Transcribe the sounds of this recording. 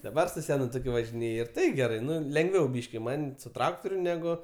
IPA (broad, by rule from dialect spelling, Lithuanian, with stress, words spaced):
dɐˈbɐr sʊ ˈsʲæːnʊ toːˈkʲʊ ʋɐʒʲɪˈnʲeːj ɪr ˈtɐɪ ɡʲɛˈrɐɪ ˈnʊ lʲɛŋˈɡʋʲɛʊ ˈbʲiːʃʲkʲɪ ˈmɐnʲ sʊ ˈtrɑːktoːrʲʊ ˈnʲæːɡʊ